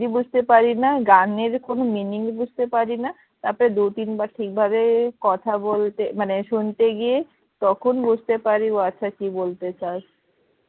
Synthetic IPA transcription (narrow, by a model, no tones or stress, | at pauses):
dibud͡ʑʱt̪epaɾinaɡaneɾkonominiŋbud͡ʑʱt̪epaɾina | t̪aɾpɔɾed̪uʈ̪inbaʈʰik̚bʱabekɔt̪ʰabolt̪emaneʃunt̪eɡie | t̪ɔkʰonbud͡ʑʱt̪epaɾioaːɕʰakibolt̪et͡ɕaɾ